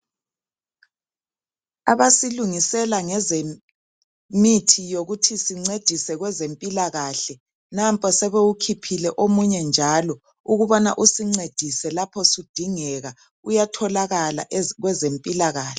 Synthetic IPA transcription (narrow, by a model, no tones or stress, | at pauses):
aβasiluŋisɛlaŋɛze | mitʰijoɣutʰisiŋ͡ǀed̥ʱisɛɣwɛzempʼilaɣaɬɛ | nampʼɔsɛβeukʰipʰilɛʔomuɲɛnd͡ʒʱaːlɔ | uɣuβɔna̰ʔusiŋ͡ǀed̥ʱisɛlapʰɔsud̥ʱiŋɛɣa | ujatʰɔlaɣala̰ʔɣwɛzempʼilaɣaːɬɛ̥